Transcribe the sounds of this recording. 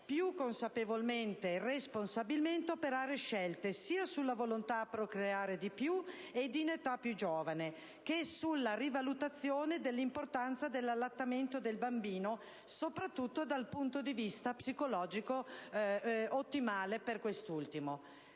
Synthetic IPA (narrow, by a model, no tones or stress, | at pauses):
pjukːonsapevolment̪eresponsabilment̪eopeɾaːɾeʃɛlt̪esiːasulːavolont̪apːɾokɾeaːɾed̪ipju | ed̪inet̪apːjud͡ʒoːvane | kesulːarivalut̪at̪sːjoːned̪elːimport̪ant̪sad̪elːalːat̪ːament̪od̪elbambiːno | sopɾat̪ːut̪ːod̪alpunt̪od̪ivist̪apsikolɔːd͡ʒiko | ot̪ːimaːleperkwest̪ult̪imo